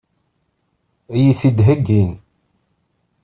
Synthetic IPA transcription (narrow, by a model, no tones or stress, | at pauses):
jiθid̪ɦəɡin